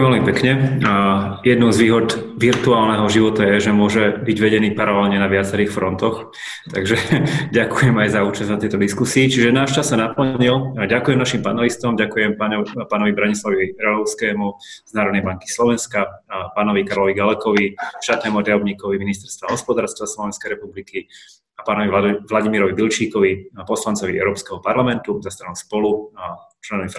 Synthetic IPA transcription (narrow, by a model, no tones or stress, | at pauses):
ɛmvɛlmipɛkɲɛ | jɛd̪nuʊzʋiːɦɔd̪ʋiɾt̪uaːlnɛɦɔʒiʋɔt̪ajɛʒɛmʊɔʒɛbiɟʋɛɟɛniːpaɾalɛlɲɛnaʋɪat͡sɛɾiːxfɾɔnt̪ɔx | t̪a̰ɡʒɛɟakujɛmajzauːt͡ʃazd̪nat̪ɛjt̪ɔd̪iskusiːt͡ʃiʒɛnaːʃt͡ʃasːanapl̩ɲilɟakujɛmnaʃimpanɛlist̪ɔmɟakujɛmpaːnɔʋibɾaɲislaʋiiɾɛlɔʊskɛːmuz̥naːɾɔd̪nɛɪjbaŋki̥slɔʋɛnskapaːnɔʋikaɾlɔʋiɡalɛkɔʋiʃt̪aːt̪nɛːmuɾd̪aɔbɲikɔʋiminist̪ɛɾst̪ʋaɦɔspɔd̪aːɾst̪ʋaslɔʋɛnskɛjɾɛpubliki | apaːnɔʋiʋlaɟimiɾɔʋibilt͡ʃiːkɔʋipɔslant͡sɔʋiʔɛ̰ʊɾɔːpskɛːɦɔpaɾlamɛnt̪uzast̪ɾanuʊspɔlu | t͡ʃlɛnɔʋif